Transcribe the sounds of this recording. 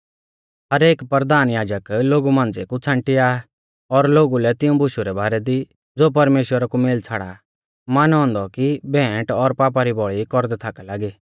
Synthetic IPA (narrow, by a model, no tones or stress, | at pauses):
ɦɐɾeːkpɾd̪aːnjaːd͡ʒəkloːɡumãːnd͡zekut͡sʰãɳʈiaː | ɔɾloːɡulɛt̪ɪũbʱʊʃuɾɛbaːɾɛd̪i | d͡zoːp̬ɐɾmeːʃwəɾakumeːlt͡sʰaːɽa̰ | maːnɦɔ̃ːnd̪ɔkibʱɛ̃ːʈɔɾpaːp̬aɾibɔɭikɔɾd̪ɛt̪ʰaːkalaːɡiː